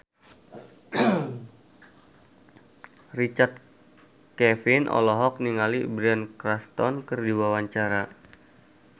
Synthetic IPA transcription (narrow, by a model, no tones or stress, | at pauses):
rit͡ʃart̪̚ | kɛfinʔɔ̰lɔɦɔk̚niŋalibɾɛnkɾast̪ɔnkərdiwawaɲt͡ʃaɾa